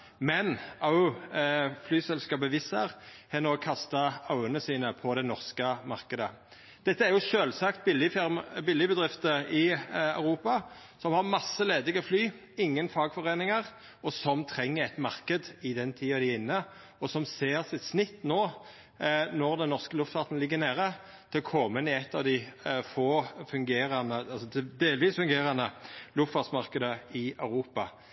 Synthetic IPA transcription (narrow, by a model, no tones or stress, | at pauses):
mɛnɑ | flyːsɛlskɑːpəʋɪsəʁhɛnoːɡ̚kʰɑst̪ɑɑʉənəsiːnəpʰɔd̪ɛnɔʁskəmɑʁkəd̪ə | d̪̥ɛt̪ːəæɾjʊʃøːlsɑkt̪̚bɪlɪbɪlːɪbəd̪ʁɪft̪əɪɑ̰ʉʁuːpɑ | sɔmhɑʁmɑsːəleːd̪ɪɡɔflyː | ɪŋːənfɑːɡfɔʁeːnɪŋəʁ | ɔsɔmt̪ʰɾɛŋːəɾɛt̪mɑʁkəd̪ɪd̪ɛnt̪ʰiːɑd̪ɪɪnːə | ɔsɔmseːʁsɪt̪snɪt̪ːnoː | nɔʁd̪ɛnːɔʁskəlʉft̪fɑːt̪n̩lɪɡːənæːɾə | t̪ʰɪlkʰɔmːənɪɛt̪ːɑʋd̪ɪfoːfʉŋɡeːɾɑnəɑlsɔd̪eːlʋiːsfʉŋɡeːɾɑnd̪əlʉft̪fɑːd̪smɑʁkəd̪əɪœʉɾuːpɑ